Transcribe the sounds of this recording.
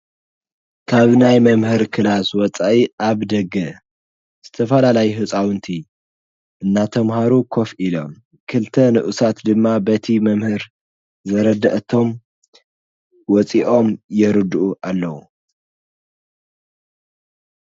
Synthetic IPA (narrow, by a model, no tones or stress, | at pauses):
kʰaβnajmɐmhɨɾkʰɨlaswɔt͡sʼaʔiʔaβd̪ɐɡɐ | z̥ɨt̪ʰɐfɐlalajuɦɨt͡sʼawɨnt̪ʰi | ʔɨnːat̪ʰɐmhaɾukʰo̞fʔilo̞m | kʰɨlt̪ʰɐnɨʔusat̪d̪ɨmːabɐt̪ʰimɐmhɨɾ | zɐɾɐd̪ɐʔt̪ʰo̞m | wɔt͡sʼiʔo̞mjɛɾɨd̪uʔuʔalːɐwu